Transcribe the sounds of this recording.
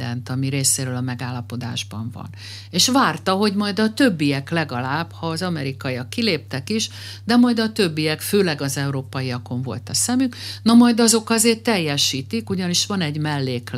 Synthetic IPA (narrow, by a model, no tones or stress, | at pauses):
d̪ɛnt̪ɒmiɾeːseːɾøːlɒmɛɡaːlːɒpo̞d̪a̰ːʒbɒ̰ɱvɒ̰n | eːʃʋaːrt̪ɒɦo̞ɟmɒjd̪ɒt̪ø̞bːijɛklɛɡɒlaːb̥hɒːzɒmɛɾikɒjɒkːileːp̚t̪ɛkiʃ | d̪ɛmɒjd̪ɒt̪ø̞bːijɛkføːlɛɡɒzɛuɾoːpɒjijɒko̞ɱvo̞̰lt̪ɒsɛmyknɒmɒjd̪ɒzo̞kɒzeːrt̪ːɛjːɛʃiːt̪ikuɟɒniʃʋɒnɛɟmɛlːeːk